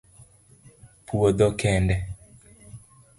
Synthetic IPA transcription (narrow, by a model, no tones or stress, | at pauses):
puod̪ɔkɛndɛ